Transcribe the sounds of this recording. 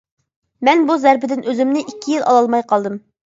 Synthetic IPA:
mɛnbuzɛɾpɪd̪ɪnʔøzɪmnɪʔikʲʰːijilˠɑ̰lˠɑlˠmɑjqʰɑlˠd̪ɨm

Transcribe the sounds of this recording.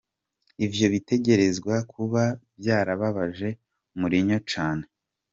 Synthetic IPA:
ivjo̞βite̞ɟe̞ɾe̞zɡwakʰuβabjaːɾaβaβaʒe̞ | muɾiɲo̞t͡ʃaːne̞

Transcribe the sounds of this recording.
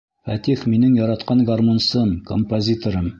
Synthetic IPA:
fæt̪ifminɘŋjɒɾɑt̪qɑnɡarmonsɤmkompozʲit̪oɾɤm

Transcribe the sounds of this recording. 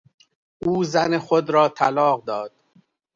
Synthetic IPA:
ʔuːzænexod̪ɾɒːt̪ʰælɒːɣd̪ɒːd̪̥̚

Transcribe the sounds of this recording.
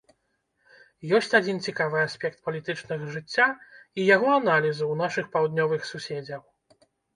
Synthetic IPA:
jɔsʲt͡sʲad͡zʲint͡sʲikavɨasʲpʲɛkt̪̚pɐlʲit̪ɨt͡ʂnɨɣɐʐɨt͡sʲːaijaɣɔanalʲizɨwnaʂɨxpawd̪nʲɔvɨxsusʲed͡zʲɐw

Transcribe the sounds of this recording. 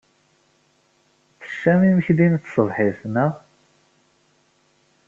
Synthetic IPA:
θə̥ʃːæmiməçd̪int̪sˤəvħiθnəʁ

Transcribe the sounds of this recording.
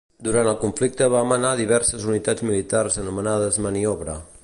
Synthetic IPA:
d̪uɾant̪əlˠkuɱflik̚t̪əβaːmənaðiβɛɾsəzunit̪ad͡zmilit̪arzənumənað̞əzməniɔβɾə

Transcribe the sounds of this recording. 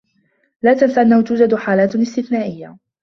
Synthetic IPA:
laːt̪ansaʔanːahʊt̪uːd͡ʒad̪ħaːlaːt̪ɪst̪ɪθnaːʔɪjːa

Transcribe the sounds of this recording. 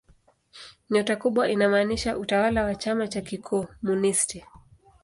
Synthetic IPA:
ɲɔtakuɓwaʔinamaːniʃaʔutawalawat͡ʃamat͡ʃakikʰɔːmunisti

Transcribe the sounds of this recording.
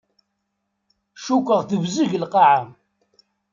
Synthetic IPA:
ʃukʷːəʁθəvzəʝlqɑʕam

